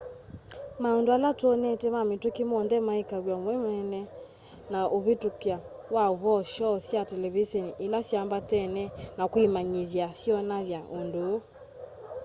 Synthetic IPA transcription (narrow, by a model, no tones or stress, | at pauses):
maɔndoalatwɔnɛtɛmametukimɔnðɛmaikaɾwjamwɛmɛnɛ | naʔoβetukja | waoβɔʃɔsjatɛlɛβisɔniʔilasjambatɛnɛnakwimaɲiðjasjɔnaðjaʔondo